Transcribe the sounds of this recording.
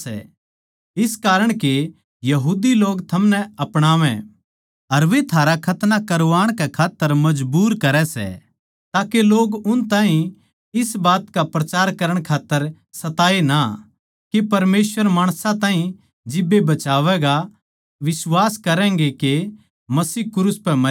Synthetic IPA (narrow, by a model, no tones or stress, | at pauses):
ɛ̰ | ɪskaːɾəɽ̃ke | jɐɦuːd̪iloːɡt̪ʰɐmnɛɐpɽ̃aːʋɛ̰̃ | ɐɾʋet̪ʰaːɾakʰɐt̪nakɐɾoaːɽ̃kɛkʰaːt̪ːəɾmɐd͡ʒbuːɾkɐɾɛsɛ̰ | t̪aːkeloːɡʊnt̪ãːɦĩ | ɪsbaːt̪kapɾɐt͡ʃaːɾkɐɾəɽ̃kʰaːt̪ːəɾ | sɐt̪aːena | kepɐɾmeːsʋəɾmaːɽ̃sãt̪ãːɦĩ | d͡ʒɪbːebɐt͡ʃaːʋɛɡa | ʋɪswaːskɐɾɛ̃ːŋɡeke | mɐsiːkʊɾuspɛmɐ